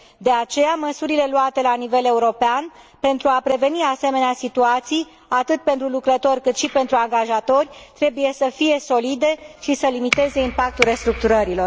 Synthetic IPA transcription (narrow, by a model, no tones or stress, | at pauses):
d̪e̞at͡ʃe̞jaməsuɾile̞luat̪e̞lanive̞le̞uɾo̞pean | pe̞nt̪ɾuapɾe̞ve̞niase̞me̞neasit̪uat̪sij | at̪ɨt̪̚pent̪ɾulukɾət̪o̞rʲkɨt̪ʃipe̞nt̪ɾuaŋɡaʒat̪o̞rʲt̪ɾe̞buje̞səfije̞so̞lid̪e̞ʃisəlimit̪e̞ze̞impak̚t̪ulɾe̞st̪ɾuk̚t̪uɾəɾilo̞r